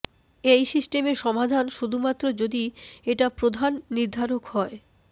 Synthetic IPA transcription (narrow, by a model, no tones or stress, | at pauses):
ejsisʈemeɾʃɔmad̪ʱanʃud̪ʱumat̪ːɾod͡ʑod̪ieʈapɾod̪ʱanːiɾd̪ʱaɾokhɔe